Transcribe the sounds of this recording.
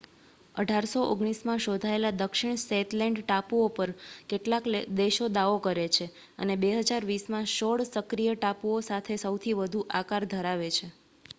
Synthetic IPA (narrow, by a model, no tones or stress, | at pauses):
ə̰ɖʱaɾsoʔoɡɽ̃ismãʃod̪ʱaelad̪əkʃɪɳ̃set̪lɛ̃ɳɖʈapuopəɾkeʈlakd̪eʃod̪aʋokəɾet͡ʃʰe | ə̰nebeɦəd͡ʒaɾʋismãʃoɽsəkɾijəʈapuosat̪ʰesəwt̪ʰiʋəd̪ʱuʔakaɾd̪ʱəɾaʋet͡ʃʰe